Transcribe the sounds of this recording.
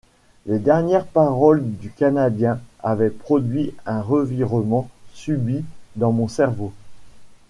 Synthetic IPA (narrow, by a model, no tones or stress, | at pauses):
led̪ɛʁnjɛʁpaʁɔld̪ykanad̪jɛ̃avɛpχɔd̪ɥiɛ̃ʁəviʁəmɑ̃sybid̪ɑ̃mɔ̃sɛʁvo